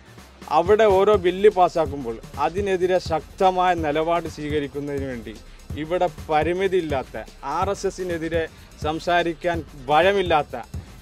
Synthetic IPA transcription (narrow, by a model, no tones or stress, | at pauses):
ɐ̰ʋiɽe̞o̞ːɾo̞ːbilːipaːsaːk̬ːumboːɭɐðine̞ðiɾe̞ɕɐk̚t̪ɐmaːjɐnilɐbaːɽɨsʋiːɣɐɾikʲːunːɐðinuʋe̞ːɳɖi | iʋiɽe̞pɐɾimiðiilːaːt̪ːɐ̰ | aːresesːine̞ðiɾe̞ | sɐmsaːɾikʲːaːnbʱɐɻɐmilːaːt̪ːɐ̰